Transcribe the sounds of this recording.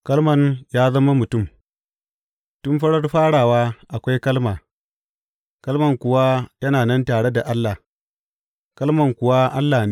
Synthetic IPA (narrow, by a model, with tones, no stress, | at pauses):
kɐ˦lmɐ˨njaː˦zɐ˦ma˦mʊ˨tʊ˦˨m | tʊ˦nɸɐ˦ɽɐ˦rɸaː˦ɽaː˨waː˦ʔa˨kʷa˦jkɐ˦lmaː˨ | kɐ˦lmɐ˨ŋkʷʊ˨wa˦jɐ˦naː˨nɐ˦ntaː˨ɽe˦da˨ʔa˦lːa˨ | kɐ˦lmɐ˨ŋkʷʊ˨wa˦ʔa˦lːaː˨ne˦